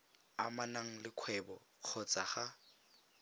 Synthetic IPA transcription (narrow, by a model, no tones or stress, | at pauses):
a̰manaŋ̩lɪq͡χʰwɛbɔ | q͡χʰɔt͡sʼaχa